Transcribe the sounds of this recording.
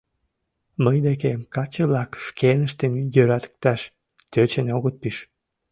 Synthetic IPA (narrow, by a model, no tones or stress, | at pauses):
məjd̪ekemkɑt͡ɕəβlɑkʃkenəʃt̪emjøɾæt̪ə̥k̚t̪æʃ | t̪øt͡ɕeneoɣət̪̚piʃ